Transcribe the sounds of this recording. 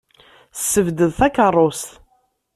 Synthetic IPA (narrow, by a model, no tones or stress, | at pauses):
sːəvd̪əðθækərˤːost̪